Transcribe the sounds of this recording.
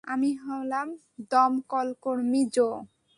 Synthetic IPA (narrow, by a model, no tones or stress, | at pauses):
amiɦɔwlam | d̪ɔmkɔlkoɾmid͡ʑo